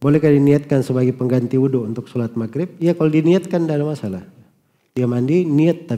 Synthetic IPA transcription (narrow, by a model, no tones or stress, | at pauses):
bolɛhkadiniat̪̚kansəbaɡajpəŋɡant̪iudount̪ʊk̚sulat̪̚makɾɪp̚ijakalodiniat̪̚kandalamːasalah | diamandiniat̪ːa